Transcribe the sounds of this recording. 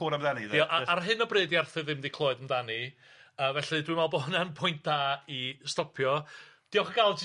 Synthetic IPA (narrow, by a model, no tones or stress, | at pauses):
ʊːɾamðaniðɔʔaʔarɦɨnɔbreːdiarθɨðɪmdikʰlˠoːɨdəmdani | əːvɛɬɨdwiɨmalˠbɔnanpʰʊjnt̚d̥aːistɔpʰjɔd̥iɔχəɡalˠd͡ʒ